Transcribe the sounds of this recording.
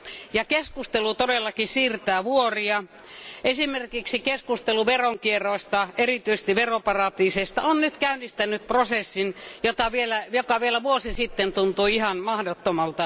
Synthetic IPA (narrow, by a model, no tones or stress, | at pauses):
jɑkeskust̪elut̪odelːɑkisiːrt̪æːʋuoriɑ | esimerkiksikeskust̪eluʋeroŋkierˑoˑist̪ɑerit̪yise̥st̪iʋeropɑrɑt̪iːsest̪ɑonnyt̪kæynːist̪ænːˑyp̪̚prosesːinjot̪ɑʋielæjokɑʋielæʋuosisit̪ːent̪unt̪uiihɑnmɑhdot̪ːomɑlt̪ɑ